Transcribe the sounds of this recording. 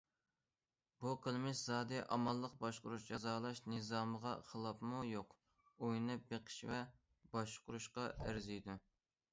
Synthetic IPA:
buqʰəlˠmɪʃz̥ɑːd̪ɨʔɑmɑlˠːəq̚bɑʃqʊɾuʃjɑzɑːlˠɑʃnɨzɑməʁɑχəlˠɑpmujoq | ojnɨbeqʰə̥ʃvɛ | bɑʃqʊɾuʃqɑæ̰ɾzijd̪u

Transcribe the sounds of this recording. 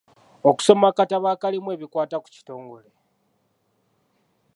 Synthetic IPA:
oku̥so̞makataβaːkalimwe̞ːβikwaːtaku̥ci̥to̞ːŋɡo̞le̞

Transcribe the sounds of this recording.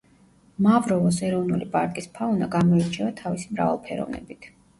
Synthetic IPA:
mavɾɔvɔsɛɾɔvnulipʼaɾkʼispʰaunaɡamɔit͡ʃʰɛvat̪ʰavisimɾa̰va̰lˠpʰɛɾɔ̰vnɛ̰bit̪ʰ

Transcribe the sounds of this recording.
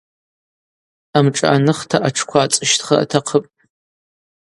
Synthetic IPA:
amʈ͡ʂʼa̰ːnɨχtʰɐʔɐʈ͡ʂʰkʷʰaːt͡sʼɨʃtʰχɐɐ̰tʰɐqʰəpʼ

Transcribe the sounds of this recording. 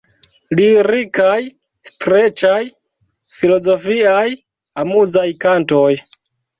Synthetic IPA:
liɾikaj | stɾet͡ʃaj | filo̞zo̞fiaj | amuzajkanto̞j

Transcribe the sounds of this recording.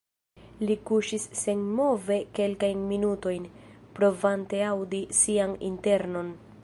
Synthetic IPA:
likuʃisːe̞nmo̞ve̞ke̞lkajnminuto̞jnpɾo̞vante̞awdisianḭnte̞ɾno̞n

